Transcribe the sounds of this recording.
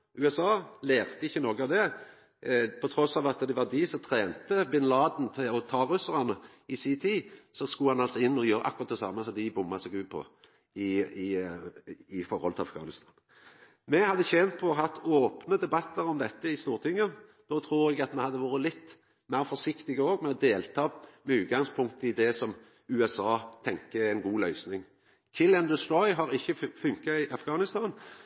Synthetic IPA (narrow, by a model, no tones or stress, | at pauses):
ʉːɛsɑːleːʁt̪əɪçːənɔːɡəɑʋd̪ɛ | pʰɔt̪ʰɾɔsɑːʋɑt̪d̪ɛʋɑʁd̪ɪsɔmt̪ʰɾeːnt̪əbɪnlɑːd̪n̩t̪ʰɪlɔt̪ʰɑːʁʉsəʁɑnə | ɪsiːt̪ʰisɔskuhɑnɑlsɔɪnːɔjøːɾə̰ʔɑkːʊʁɑt̪̚d̪ɛsɑ̰ːmːəsɔd̪ɪbʊmːɑsɛɡʉːpʰɔ̰ | ɪɪ | ɪfɔɾɔ̰lt̪ʰɪlɑ̰fɡɑ̰ːnɪst̪ʰɑːn | mɛhɑd̪ːəçɛnt̪̚pʰɔːɦɑt̪ːoːpnəd̪ɛbɑt̪ːəɾɔmd̪ɛt̪ːəɪst̪uːʁt̪ʰɪŋːəd̪̥ɔːt̪ʰɾuːɾɛɡɑt̪mɛhɑd̪ːəʋuːɾəlɪt̪ː | mæɪʁfɔʂɪkt̪ɪɡəoːɡmɛɔd̪eːlt̪ʰɑːmɛʉːt̪̚ɡɑŋspʰʊŋkt̪əɪd̪ɛsɔm | ʉːɛsɑːt̪ʰɛŋkəɛnɡuːlœʏsnɪŋ | kʰɪlɛnd̪əsɔʏɦɑɾɪçːəfʉŋkɑɪʔɑfɡ̥ɑːnɪst̪ɑːn